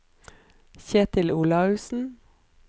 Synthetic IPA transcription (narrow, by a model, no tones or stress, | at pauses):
çeːt̪ʰɪluːlɑʉːsn̩